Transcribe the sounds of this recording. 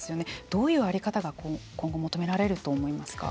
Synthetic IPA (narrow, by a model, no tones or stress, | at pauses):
sɨjo̞ne̞d̪̥o̞ːjɯ̟ːaɾʲikat̪aɡakokõ̞ŋɡo̞mot̪o̞me̞ɾaɾe̞ɾɯ̟t̪o̞ːmo̞imasɨ̥ka̰